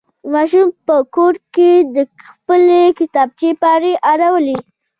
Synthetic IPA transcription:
mɑʃumpəkoʈked̪əxpəlekɪt̪ɑb̚t͡ʃepɑɾeʔaɾawəli

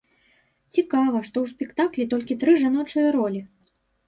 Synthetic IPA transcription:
t͡sʲikavɐʂt̪ɔwsʲpʲɛkt̪aklʲit̪ɔlʲkʲit̪ɾɨʐanɔt͡ʂɐjɐɾɔlʲi

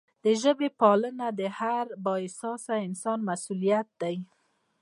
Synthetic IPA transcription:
d̪̥əʒəbepɑlənad̪əhaɾbɑɪsɑsaɪnsɑnmasulijat̪̚d̪aj

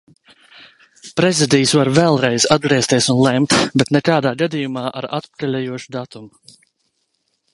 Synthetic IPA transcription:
pɾɛzid̪ijsvaɾvɛlˠɾɛjz̥ad̪̚ɡɾiɛst̪iɛsunlˠɛmt̪bɛt̪nɛkaːd̪aːɡad̪ijumaːʔa̰ɾat̪pkalʲɛjuɔʃu̥d̪at̪um

